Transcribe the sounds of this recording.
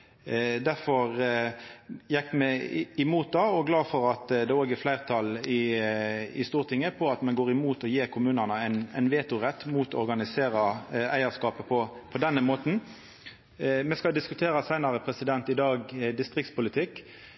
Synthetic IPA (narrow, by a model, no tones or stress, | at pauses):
d̪æɾfɔʁ | jɛkːmɛɪmuːt̪̚d̪ɑːɔɡlɑːfɔɾɑt̪d̪ɛoːɡæɾflæɪʁt̪ʰɑlɪ | ɪ̰st̪uːʁt̪ʰɪŋːəpʰɔɑt̪mɛnɡoːɾɪmuːt̪ɔjeːɾkʰʊmʉːnənəæɪnæ̰ɪnʋeːt̪ʊʁɛt̪ːmuːt̪ɔ̰ɾɡɑnɪseːɾɑæɪəskɑːpəpʰɔpʰɔd̪ɛnːəmoːt̪n̩ | mɛskɑld̪ɪskʉt̪ʰeːɾɑsæɪnɑɾəpʰɾɛsɪd̪ɛnt̪ɪd̪ɑːɡd̪ɪst̪ʁɪkt̪spʊlɪt̪ʰɪkː